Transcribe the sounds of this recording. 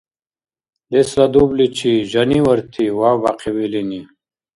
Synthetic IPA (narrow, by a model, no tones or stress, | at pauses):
lesɾad̪ublit͡ɕʰiʑaniwɐɾt̪ʰiwaːbaqewilini